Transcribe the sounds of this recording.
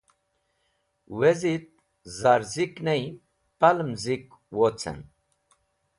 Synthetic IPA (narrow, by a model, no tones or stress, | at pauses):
wezit̪̚ | zaɾziknej | palmzik | wot͡sʰɛ̰n